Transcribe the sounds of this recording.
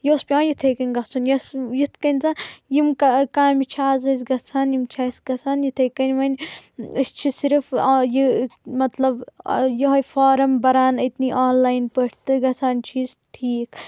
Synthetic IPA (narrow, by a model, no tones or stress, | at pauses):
joːspʲãːjit̪ʰeːkɐnʲɡɐt͡sʰunjɐsjit̪ʰkɐnʲzajimkɐkaːmit͡ʃʰaːzɐs̬ʲɡɐt͡sʰanjimt͡ʃʰaːsɡɐsʰaːnjit̪ʰeːkɐnʲʋɐnʲɐst͡ʃʰisiɾfjimɐt̪lɐbjɐɦɐjfaːɾɐmbɐɾaːnɐt̪niʔaːnlaːjnpəʈʰt̪ɨɡɐt͡sʰaːnt͡ʃʰiːzʈʰiːk